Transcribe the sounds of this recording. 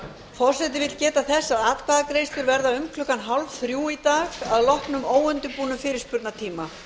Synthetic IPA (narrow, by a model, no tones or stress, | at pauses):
fɔr̥sɛt̪ɪvɪt̪lcɛːt̪aθɛsːaðaːt̪kpaðakɾeːjst̪ʏɾvɛɾðaʏmkʰlʏkanɦawlvθɾjuːit̪aːɣaðlɔhpnʏmoːwʏnt̪ʏpuːnʏmfɪːɾɪɾ̥spʏɾt̪nat̪ʰiːma